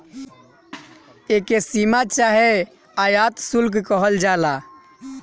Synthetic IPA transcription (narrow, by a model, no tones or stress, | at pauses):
ekesimat͡ʃaɦe | ajat̪sulkkəɦəld͡ʒala